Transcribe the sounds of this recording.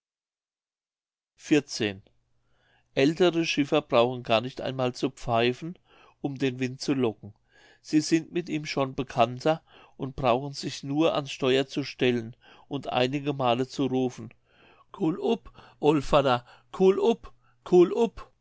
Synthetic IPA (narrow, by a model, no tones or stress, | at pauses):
fɪɐt͡seːn | ʔɛltəʁəʃɪfɐb̥ʁaʊxn̩ɡaːɐnɪçtʔa̰ɪnmaːlt͡supp͡faɪfn̩ | ʔʊmdeːnvɪntt͡sulɔkŋ̩ | z̥iːzɪntmɪtʔiːmʃoːnbəkʰantʰɐʔʊnt̚b̥ʁaʊxn̩z̥ɪçnuːɐʔa̰nsʃtɔʏɐt͡suʃtɛlən | ʔʊntʔa̰ɪnɪɡəmaːlət͡suʁuːfn̩ | kʰuːlʔʊpʔɔlfadɐ | kʰuːlʔʊp | kʰoːlʔʊp